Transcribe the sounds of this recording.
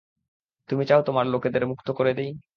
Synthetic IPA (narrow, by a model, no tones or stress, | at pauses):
t̪umit͡ɕaot̪omaɾloked̪eɾmukt̪okoɾed̪ej